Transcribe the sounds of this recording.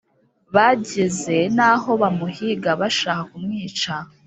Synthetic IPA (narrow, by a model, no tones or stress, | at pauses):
βaɟeze̞naɦo̞βamuhiɡaβaʃaːhakumŋiːt͡ʃa